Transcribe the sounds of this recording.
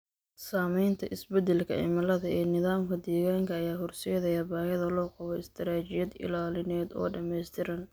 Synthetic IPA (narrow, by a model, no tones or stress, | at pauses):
saːmɛjnt̪ʰɐʔɪsbɛd̪ɛlkʰɐ̰ɪ̰mɐlɐðɐɛːnɪðaːmkʰɐd̪ɛːɣaːŋkʰɐːjaːɦʊrsɛːðɛjɐːbaːhɐðɐlɔːqɑβɛɪst̪ʰɐɾaːt͡ʃɪjɐd̪ɪ̰laːlɪnɛːd̪ɔ̰ːɖɐmɛjst̪ʰɪɾɐn